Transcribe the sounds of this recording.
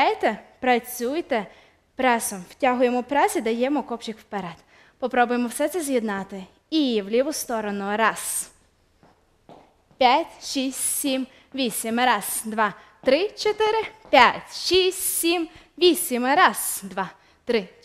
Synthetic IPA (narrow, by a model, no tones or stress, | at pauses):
ajt̪epɾɐt͡sʲujt̪e | pɾɛsɔmw̥tʲaɦʊjemɔpɾɛsʲid̪ɐjɛmɔkɔpt͡ʃʲikwpeɾɛd̪ | pɔpɾɔbʊjemɔwsɛt̪sɛzʲjid̪nɑt̪ɪ | iwlʲiʋʊst̪ɔɾɔnʊɾɑz̥ | pʲjatʲʃisʲsʲim | ʋʲisʲimɾɑz̥d̪ʋɑ | t̪ɾɪt͡ʃɔt̪ɪɾɪpʲjatʲʃisʲsʲim | ʋʲisʲimɾɑz̥d̪ʋɑ | t̪ɾɪ